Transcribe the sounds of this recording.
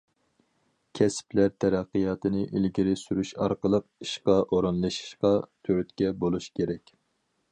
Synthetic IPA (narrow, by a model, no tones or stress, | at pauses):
kʲʰɛsplæɾt̪ʰɛɾæqːijɑːt̪ɨnɪʔilɡʲiɾɪsyɾyʃɑ̰ɾqəlˠəq̚iʃqɑʔoɾɨnlˠɨʃi̥ʃqɑt̪ʰøɾyt̪kʲɛbolˠuʃkʲʰeɾɛkʲ